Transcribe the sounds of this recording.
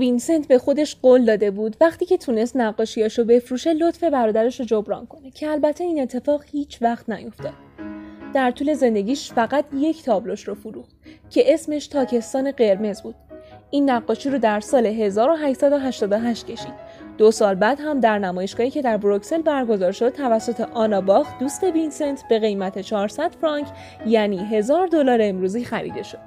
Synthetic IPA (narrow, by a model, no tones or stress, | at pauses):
vinse̞nt̪ʰbe̞xo̞d̪e̞ʃɢ̥oːld̪ɒːd̪e̞buːd̪væχt̪iːcʰe̞t̪ʰune̞st̪næɢːɒːʃiɒʃobe̞fɾuːʃe̞lo̞t̪fe̞bæɾɒːd̪æɾeʃod͡ʒobɾɒ̰ːnkʰo̞ne̞cʰe̞ælbæt̪ʰːe̞iːne̞t̪ʰːe̞fɒːɣhiːt͡ʃʰvæxt̪næjo̞ft̪ɒːd̪d̪̥æɾt̪ʰuːle̞ze̞nd̪e̞ɟʲiːʃfæɣæt̪ʰje̞cʰt̪ʰɒːbloʃɾofuɾuːxtcʰe̞ʔe̞sme̞ʃt̪ʰɒːcʰe̞st̪ɒːne̞ɢe̞ɾme̞zbuːd̪̥inːæɡːɒːʃiɾod̪æɾsɒːle̞ɦe̞zɒːɾoɦæʃsæd̪oɦæʃt̪ɒːd̪oɦæʃt̪cʰe̞ʃḭd̪̥̚ | d̥̪osɒːlbæːd̪ɦæmd̪æɾnæmɒːje̞ʃɡ̥ɒːhicʰe̞d̪æɾbɾokse̞lbæɾɡo̞zɒːɾʃo̞d̪̚t̪ʰævæsːot̪ʰe̞ʔɒːnɒːbɒxd̪̥uːst̪e̞binse̞nt̪ʰb̥e̞ɣe̞jmæt̪ʰe̞t͡ʃʰɒːɾsæd̪̥fɾɒŋcʰ | jæniːɦe̞zɒːɾd̪olɒːɾemɾuːziːxæɾḭːd̪e̞ʃo̞d̪̥